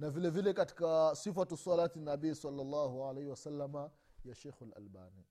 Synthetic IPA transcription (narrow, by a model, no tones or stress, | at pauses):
navilɛvilɛkati̥kasifatusɔlaːtinaɓiːsɑlːalːaːɦuʕalɛjhiwasalːama | jaʃɛjxalʔa̰lba̰ːni